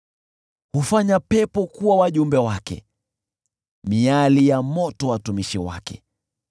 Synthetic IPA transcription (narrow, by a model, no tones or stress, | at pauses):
hufaɲapɛpɔkuwawaʄumbɛwakɛ̰ | mialijamɔtɔwatumiʃiwa̰kɛ̰